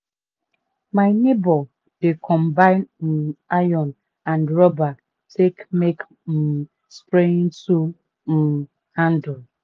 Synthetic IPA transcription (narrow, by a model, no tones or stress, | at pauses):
maɪnebɔ | dekʰɔmbaɪnn̩ajɔn | andɾɔba | tʰekmek | m̩ | spɾen̩tu | m̩ | handɔl